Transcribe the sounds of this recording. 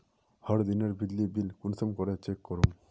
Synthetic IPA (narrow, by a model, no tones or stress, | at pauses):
hɔɾd̪ineɾbid̪ːibilkunsɔmkɔɾet͡ʃekːɔɾum